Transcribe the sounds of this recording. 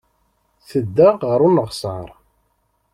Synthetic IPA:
θəd̪ːæːəɾˤunəʁsəɾˤ

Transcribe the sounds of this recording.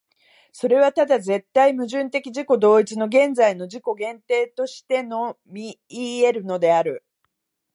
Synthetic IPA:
so̞ɾe̞β̞at̪ad̪aze̞t̪ːaimɯ̟ʑɨ̃nt̪e̞kʲiʑiko̞d̪o̞ːit͡ɕino̞ɡẽ̞nd͡zaino̞d͡ʑiko̞ɡẽ̞nt̪e̞ːt̪o̞ɕi̥t̪e̞no̞ | mʲi | iːe̞ɾɯ̟no̞d̪e̞aɾɯ̟

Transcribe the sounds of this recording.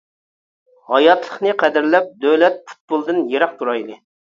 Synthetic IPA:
hɑjɑt̪lˠəχnɨqʰæd̪ɪɾlɛp̚d̪øwlɛt̪̚pʰu̥t̪̚bolˠd̪ɨnjeɾɑq̚t̪ʰuɾɑjlɨ

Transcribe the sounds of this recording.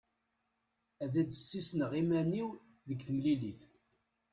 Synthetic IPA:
æðæd̪əsːisnəʁimæniw | ðəɡθəmliliθ

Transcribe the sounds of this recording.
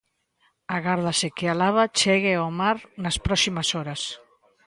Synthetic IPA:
aɣaɾðasekealaβat͡ʃɛɣeomaɾnaspɾɔsimasɔɾas

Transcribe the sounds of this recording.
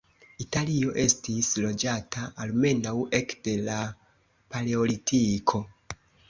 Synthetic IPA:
italio̞ʔe̞stislo̞d͡ʒataalme̞nawe̞kde̞la | paleo̞litʰikʰo̞

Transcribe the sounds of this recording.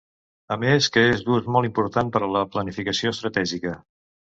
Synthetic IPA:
əmeskəezd̪uzmɔlˠimpuɾt̪ampəɾələplənifikəsioəst̪ɾət̪ɛʒikə

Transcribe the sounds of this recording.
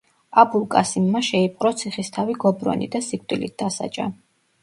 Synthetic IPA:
abulˠkʼasimːaʃɛipʼqʼɾɔt̪sʰiχist̪ʰaviɡɔbɾɔ̰nḭd̪asikʰʼt̪ʼilit̪̚d̪̥asa̰d͡ʒʼa̰

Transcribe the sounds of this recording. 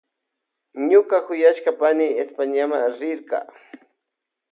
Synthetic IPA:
ɲʊkakʊjaʃkapanɪespaɲamaɾɪɾkɑ̰

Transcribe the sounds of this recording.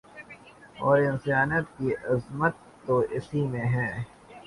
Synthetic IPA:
ɔːɾɪ̃nsjaːnət̪̚kiʔɐzmət̪ːoɪsimẽɦɛ̃ː

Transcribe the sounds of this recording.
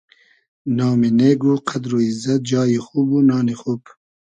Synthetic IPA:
nɑːmineːɡuqʰad̪ɾuizɐt̪̚d͡ʒɑːjixubunɑːnixup

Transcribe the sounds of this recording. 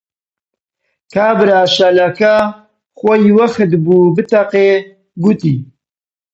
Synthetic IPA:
kʰaːbɨɾaːʃalaka | xʷɔjwɐxɨt̪buːbɨt̪ɐqeː | ɡut̪iː

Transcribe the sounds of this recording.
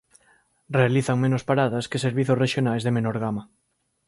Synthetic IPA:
realiθaŋmẽnospaɾaðaskeseɾβiθosreʃjonajzðemenoɾɣ̞ama

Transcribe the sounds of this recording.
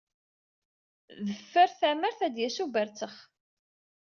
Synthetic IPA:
ðəfːəɾθæməɾθæd̪jæsubəɾt͡səχ

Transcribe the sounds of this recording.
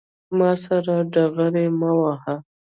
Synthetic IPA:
mɑsaɾaɖaɣaɾemawaha

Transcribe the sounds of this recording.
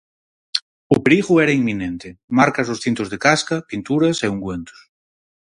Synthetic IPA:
ʊpeɾiɣʊɛɾɐiŋmĩnẽnt̪ɪmaɾkɐzosθint̪ʊzðekaskɐpint̪uɾɐseuŋɡwent̪ʊ̥s

